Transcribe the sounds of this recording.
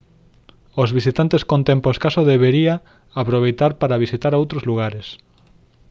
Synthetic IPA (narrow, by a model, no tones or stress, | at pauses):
ozβisit̪ant̪eskont̪ẽmposkasoðeβeɾia | apɾoβ̞ejt̪aɾpaɾaβ̞isit̪aɾowt̪ɾozluɣ̞aɾes